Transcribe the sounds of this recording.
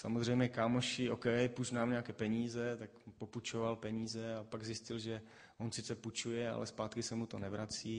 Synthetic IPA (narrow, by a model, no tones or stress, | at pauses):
sa̰mozr̝ɛjmɲɛkaːmoʃɪʔokɛpuznaːmɲɛakɛːpɛɲiːzɛt̪akpoput͡ʃovalpɛɲiːzɛapaɡzɪscɪlʒɛ | ʔonsɪt͡sɛput͡ʃujɛa̰lɛspaːt̪kɪsɛmut̪onɛvɾat͡siː